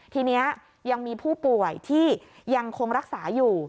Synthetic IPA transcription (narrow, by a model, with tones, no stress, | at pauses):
t̪ʰiː˧ni˦˥ɐ | ja˧ŋmiː˧pʰuː˥˩pu˨˩əjt̪ʰiː˥˩ | ja˧ŋkʰo˧ŋɾa˦˥k̚saː˩˦juː˨˩